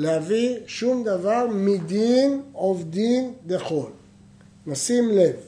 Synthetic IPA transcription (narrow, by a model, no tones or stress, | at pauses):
lehaviʃumd̪avaʁmid̪inovd̪ind̪eχo̞l | nosimle̞v